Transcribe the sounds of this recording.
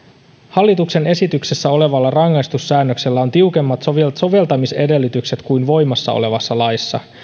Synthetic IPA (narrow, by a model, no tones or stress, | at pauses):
hɑlːit̪ukse̞ne̞sit̪ykse̞sːæo̞le̞ʋɑlːɑrɑŋːɑjst̪usːæːnːøkse̞lːæo̞nt̪iuke̞mːɑt̪soʋt̪so̞ʋe̞lt̪ɑmise̞de̞lːit̪ykse̞t̪kujnʋo̞jmɑsːɑ̰o̰le̞ʋɑsːɑlɑjsːɑ̰